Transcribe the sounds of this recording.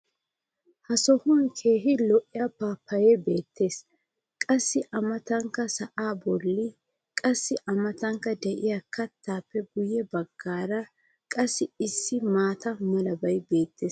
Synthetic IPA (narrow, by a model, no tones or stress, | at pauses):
hɐsɔhʊnkʰeːɦɪlɔʔɪjapaːpːɐjɛbe̞ːt̪ʰːe̞ːs | kʼɐsːɪʔɐmɐt̪ɐŋkːɐsɐʔaːbɔlːɪ | kʼɐsːɪʔɐmɐt̪ɐŋkːɐd̪ɛʔɪjakʰɐt̪ʰːaːpːɛɡʊjɛbɐɡːaːɾɐ | kʼɐsːɪɪsːɪmaːt̪ɐmɐlɐbɐjbe̞ːt̪ʰːe̞ːs